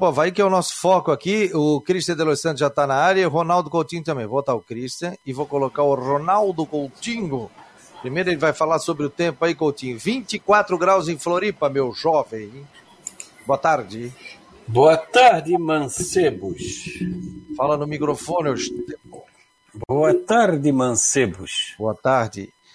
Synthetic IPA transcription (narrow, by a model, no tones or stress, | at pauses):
povaikɪɛʊnɔsʊ̥fɔkʊakiʊkɾist̪ɐ̃d̪elosɐ̃nd̪ʊʒat̪anɐaɾjɐʊɦonawd̪ʊkowt͡ʃ̪ĩŋɡʊt̪ɐ̃mbẽj̃vot̪aʊkɾist̪ɐ̃ɪvowkolokaɾʊronawd̪ʊkowt͡ʃĩŋʊ | pɾimejɾʊelɪvajfalaɾsobɾɪʊt̪ẽmpʊaikowt͡ʃ̪ĩʊvĩnt͡ʃ̪ɪkwat̪ɾʊɡɾawzẽj̃floɾipɐmewʒɔvẽj̃ | boɐt̪aɾd͡ʒɪ | boɐt̪aɾd̪ɪmɐ̃sebʊs | falɐnʊmikɾofõnɪoʒɪʊt̪ẽpõ̰ | bboɐt̪aɾd̪ɪmɐ̃sebʊsboɐt̪aɾd͡ʒɪ̰